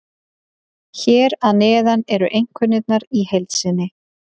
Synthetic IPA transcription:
çɛːɾaðnɛːðanɛɾʏʔejŋ̥kʰvʏnɪt̪̚naɾihejlt̪sɪnːɪ

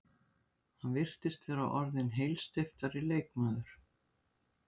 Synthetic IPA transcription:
hanvɪr̥t̪ɪst̪vɛːɾawʔɔɾðɪnɦeːjlst̪ɪft̪aɾɪleːjkmaːðʏɾ̥

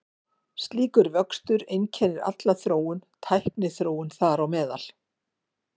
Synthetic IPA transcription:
st̪liːkʏɾvœkst̪ʏɾejncʰɛːnɪɾa̰t̪laθɾoːwʏnt̪ʰajhpnɪθɾoːwʏnθaɾawmɛːðal̥

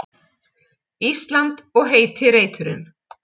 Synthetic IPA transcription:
ist̪lant̪ɔɣɦeːjt̪ʰɪɾeːjt̪ʏɾʏn

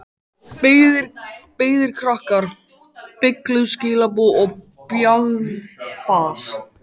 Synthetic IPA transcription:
pɪðɪɾpeːjðɪɾ̥kʰɾahkaɾ̥ | pɪklʏscɪːlap̬uɔɣ | pjaɣðfaːs

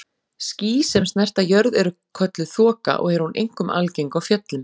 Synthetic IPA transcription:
sciːsɛmst̪nɛjr̥t̪ajœɾðɛɾʏ | kʰœt̪lʏθɔːka̰ʔɔ̰ɣɛɾhunʔḛjŋ̥kʏmʔalcejŋkawfjœt̪lɪm

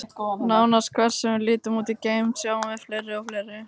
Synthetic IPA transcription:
naːwnaskʰvɛr̥sɛmvɪlɪːt̪ʏmuːt̪icejmsjaːwmɛðflejɾːɪɔfleːjɾɪ

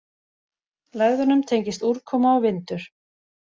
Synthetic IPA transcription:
laːɣðʏnʏmt̪ʰejɲcɪst̪uɾkʰɔːmaɔvɪnt̪ʏɾ̥

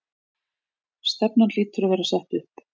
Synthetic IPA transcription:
st̪ɛpnanliːt̪ʏɾavɛːɾasaht̪ʏhp

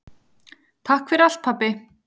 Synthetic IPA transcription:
t̪ʰahkfɛɾal̥t̪̚pʰapːɪ

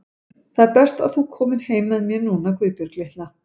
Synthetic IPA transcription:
θaðɛɾpɛr̥st̪a̰ðθukʰɔːmɪɾ̥heːjmɛðmjɛnuːnakʰvɪːpjʏɾklɪht̪la

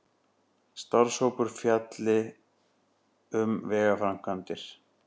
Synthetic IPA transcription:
st̪aɾ̥showpʏɾ̥fjat̪lɪ | ʏmvɛːɣafɾam̥kʰant̪ɪɾ̥

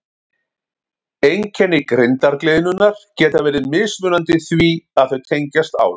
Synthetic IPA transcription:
ejŋcʰɛnːɪkɾɪnt̪aɾklɪðɪnʏnːaɾ̥cɛːt̪avɛːɾɪðmɪːsmʏːnant̪ɪθviaðθœɥt̪ʰejɲcast̪a̰w

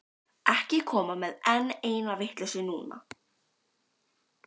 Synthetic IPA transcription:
ɛhcɪkʰɔːmamɛðɛnːeːjnavɪht̪lɪsʏnuːna̰

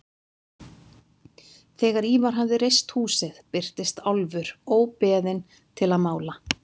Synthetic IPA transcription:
θɛːɣaɾiːvaɾ̥ɦavðɪɾejst̪huːsɪðpɪr̥t̪ɪst̪alvʏɾowpɛːðɪn | t̪ʰɪlaðmaːwla

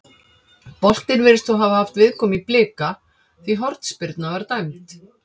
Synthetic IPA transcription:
pɔl̥t̪ɪɾvɪɾɪst̪θɔwɦavahaft̪vɪðkʰɔːmiplɪːka | θviɦɔɾt̪spɪɾt̪navaɾt̪ajmt̪

